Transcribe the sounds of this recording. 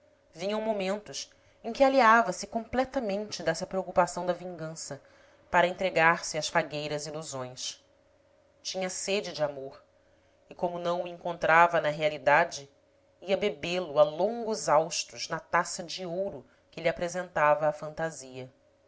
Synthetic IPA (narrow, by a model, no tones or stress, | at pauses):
vĩɲɐ̃w̃momẽnt̪ʊs | ẽkʲɪaliavɐsɪkõmplɛt̪ɐmẽnt͡ʃɪd̪ɛsɐpɾeokupasɐ̃w̃d̪ɐvĩŋɡɐ̃sɐ | paɾɐẽnt̪ɾeɡaɾsɪɐsfaɡejɾɐziluzõj̃s | t͡ʃĩɲɐsed͡ʒɪd͡ʒɪamoɾ | ɪkõmʊnɐ̃w̃uẽŋkõnt̪ɾavɐnɐɦealid̪ad͡ʒɪ | iɐbebelʊalõŋɡʊzawʃt̪ʊznɐt̪asɐd͡ʒiowɾʊ | kɪliapɾezẽnt̪avɐːfɐ̃nt̪aziɐ